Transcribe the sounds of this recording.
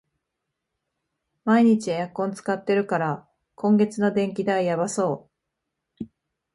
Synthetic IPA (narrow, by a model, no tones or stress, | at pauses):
maiɲ̟it͡ɕiajakːõ̞nt͡sɨ̥kat̪ːe̞ɾɯ̟kaɾa | kʰõ̞ŋɡe̞t͡sɨno̞d̪ẽ̞ŋk̬ʲid̪aijabaso̞ː